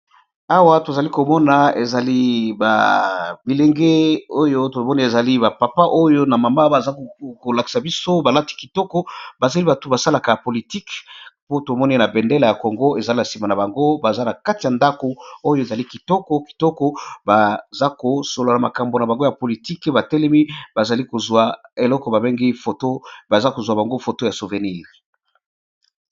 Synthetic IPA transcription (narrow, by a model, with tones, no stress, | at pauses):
a˦wa˦to˨za˨li˦ko˨mɔ˦na˨e˨za˨li˦ba̰˨bi˨le˨ŋɡe˦o˦jo˦to˨mɔ˦ni˦e˨za˨li˦ba˨pa˨pa˦ʔo˦jo˦na˨ma˨ma˦ba˨za˦kko˨la˨ki̥˨sa˨bi˦so˦ba˨la˦ti̥˦ki˨tɔ˦kɔ˦ba˨za˨li˦ba˨tu˨ba˨sa˦la˨ka˨a˨po˨li˨ti˦kpo˦to˨mɔ˦ni˦na˨bɛ˨nde˦la˨ja˨ko˨ŋɡo˦e˨za˦na˨si˨ma˨na˨ba˨ŋɡo˦ba˨za˦na˨ka˦ti˨ja˨nda˦ko˨o˦jo˦e˨za˨li˦ki˨tɔ˦kɔ˦ki̥˨tɔ˦kɔ˦ba˨za˦ko˨so˨lo˨la˨ma˨ka˨mbo˨na˨ba˨ŋɡo˦ja˨po˨li˨ti˦kba˨tɛ˦lɛ˦mi˦ba˨za˨li˦ko˨zwa˨e˨lɔ˦kɔ˨ba˨be˦ŋɡi˦fo˨to˦ba˨za˦ko˨zwa˨ba˨ŋɡo˦fo˨to˦ja˨so˨ve˨ni˦˨ʁ